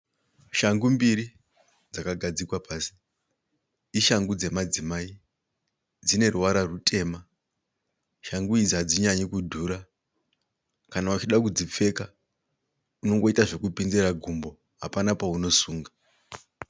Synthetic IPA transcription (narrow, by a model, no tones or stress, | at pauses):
ʃaŋɡumbiɾi | d͡zakaɡʱad͡zikwapaːsi̥ | iʃaŋɡud͡ze̞mad͡zimai | d͡zine̞ɾuwaɾarutʰe̞ma | ʃaŋɡuid͡ziad͡ziɲaɲikudʱuːɾa | kanaut͡ʃiɗakud͡zip͡fe̞ka | uno̞ŋɡo̞itaʐe̞kupind͡zeɾaɡʱumbo̞ | ɦapanapauno̞suːŋɡa